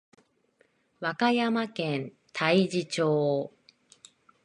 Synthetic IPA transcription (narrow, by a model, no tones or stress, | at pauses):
βakajamakẽnt̪ʰaid͡ʑit͡ɕoː